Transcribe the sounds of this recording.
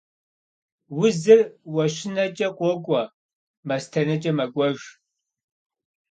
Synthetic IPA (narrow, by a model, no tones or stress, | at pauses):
wʊzɨrwɐʃɪnɐt͡ʃʼɐqʷʼɔkʷʼɐ | mɐstʰɐnɐt͡ʃʼɐmɐɡʷʼɔʒʷ